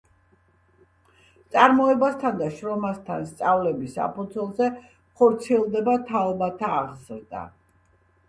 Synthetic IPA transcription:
t̪sʼaɾmɔɛbast̪ʰand̪aʃɾɔmast̪ʰa̰nst̪sʼavlɛbisa̰pud̪zʰɛlˠzɛ | χɔɾt̪sʰiɛlˠd̪ɛbat̪ʰalˠbat̪ʰaːʁzɾd̪a̰

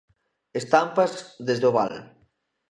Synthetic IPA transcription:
est̪ampazðezðoβa̰l

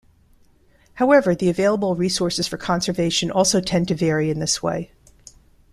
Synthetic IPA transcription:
haʊɛvə˞ðiɨveɪlˠəbl̩ˠɹisɔɹsɨz̥fə˞kʰɑ̃nsə˞veɪʃɨ̃nʔɔlˠsoʊtʰɛ̃ntɨvɛɹiɨ̃nðɪswḛɪ

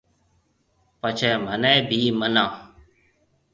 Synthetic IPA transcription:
pət͡ʃʰɛːmənɛ̃ːbʱiːmənãː

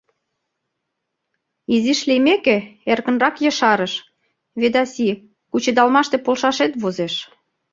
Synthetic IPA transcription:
iziʃlimekeerkə̆nrɑkjə̆ʃɑɾəʃ | βed̪ɑsi | kut͡ɕed̪ɑlmɑʃt̪epolʃɑʃet̪βozeʃ

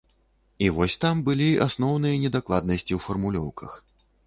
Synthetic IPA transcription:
ivɔsʲt̪ambɨlʲiʔasn̪ɔwnɨjɐnʲɛd̪aklˠad̪̚nɐsʲt͡sʲiwfɐrmulʲɔ̰wkʰɐ̰x

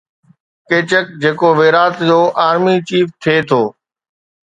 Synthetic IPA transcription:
keːt͡ɕək̚d͡ʑeːkoʋeːɾaːt̪d͡ʑoːʔaːɾmit͡ɕiːft̪ʰeːt̪ʰoː

